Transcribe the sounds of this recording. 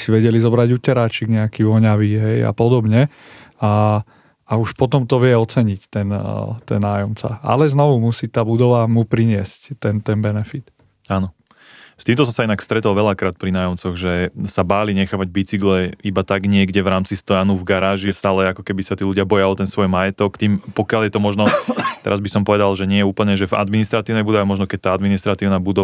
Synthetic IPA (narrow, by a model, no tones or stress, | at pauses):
siʋɛɟɛlizɔbɾaɟuːcɛɾaːt͡ʃiɡɲɛakiʋɔɲaʋiːɦɛja̰pɔd̪ɔbɲɛ | a | auʃpɔt̪ɔmt̪ɔʋɪɛɔt͡sɛɲict̪ɛnt̪ɛ̰nːaːjɔmt͡sa̰a̰lɛznɔʋumusiːt̪aːbud̪ɔʋamupɾiɲɪɛsct̪ɛnt̪ɛnbɛnɛfit̪ | anɔ | st̪iːmt̪ɔs̬ɔmsainakst̪ɾɛt̪ɔlʋɛʎakɾaːt̪̚pɾinaːjɔmt͡sɔɣʒɛsabaːliɲɛxaːʋaɟ̚bit͡siɡlɛibat̪aɡɲɪɛɡɟɛʋɾaːmt͡sist̪ɔjanuvɡaɾaːʒist̪aːlɛakɔkɛbisat̪iːluɟɪabɔjaɔt̪ɛnsʋɔjmajɛt̪ɔkt̪iːmpɔkjaljɛt̪ɔmɔʒnɔt̪ɛ̰ɾazbisɔmpɔʋɛd̪alʒɛɲɪɛjɛuːpl̩ɲɛʒɛva̰d̪minist̪ɾat̪iːʊnɛjbud̪ɔʋɛmɔʒnɔkɛc̚t̪aːad̪minist̪ɾat̪iːʊnaːbud̪ɔ